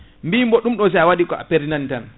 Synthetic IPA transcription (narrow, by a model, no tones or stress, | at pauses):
mbimbɔɗumɗɔs̬ajawaɗikɔʔa̰peɾinantan